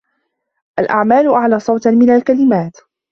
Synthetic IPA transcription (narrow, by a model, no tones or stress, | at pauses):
ʔalʔa̰ʕmaːlʊʔaʕlaːsˤɑwt̪mɪnalkalɪmaːt̪